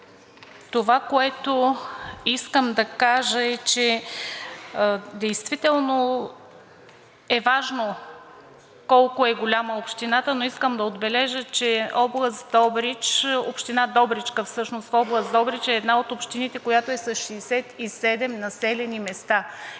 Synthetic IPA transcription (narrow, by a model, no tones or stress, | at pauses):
t̪ovakoɛt̪o | iskəmd̪ɐkaʒəɛt͡ʃɛ | d̪ɛjst̪vit̪ɛlˠno | ɛvaʒno | kɔlˠkoɛɡolʲaməopʃt̪inat̪ənoiskəmd̪ɐod̪bɛlɛʒət͡ʃɛɔblˠəsd̪ɔbɾit͡ʃopʃt̪inad̪ɔbɾit͡ʃkəfsɤʃnost̪fɔblˠəsd̪ɔbɾit͡ʃɛːd̪naot̪opʃt̪init̪ɛkojat̪oɛsɐsʃɛːsɛt̪isɛd̪ɛmnɐsɛlɛnimɛst̪a